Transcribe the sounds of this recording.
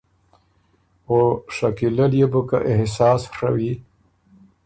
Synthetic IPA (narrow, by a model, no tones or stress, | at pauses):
oʂakilaljebəka̰ʔɪhsɑːsʂawi